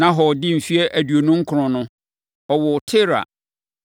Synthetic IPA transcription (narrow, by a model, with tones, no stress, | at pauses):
nã˦ɦɔ˨dɪ˦m̩˨fi˦ɛ˦ʔæ˨dɥo˨nʊ̃˦ŋ̩˦kʰʊ˨ɾʊ̃˨nʊ̃˦ | ɔ˨wɔ˨tʰɪ˦ɾa̰˨